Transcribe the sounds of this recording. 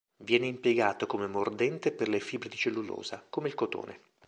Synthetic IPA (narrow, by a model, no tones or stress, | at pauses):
vjɛːneimpjeɡaːt̪okomemord̪ɛnt̪eperlefiːbɾed̪it͡ʃelːulo̰ːzakomeilkot̪o̰ːnʔḛ